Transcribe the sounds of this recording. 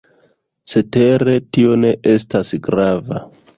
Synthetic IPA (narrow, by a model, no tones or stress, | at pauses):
t͡se̞te̞ɾe̞tio̞ne̞ʔe̞stasɡɾava